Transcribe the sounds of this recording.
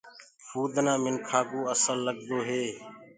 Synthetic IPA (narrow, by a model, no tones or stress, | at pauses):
fʰuːd̪nãːmɪnkʰaːɡuːəsəlːəɡd̪oːɦeː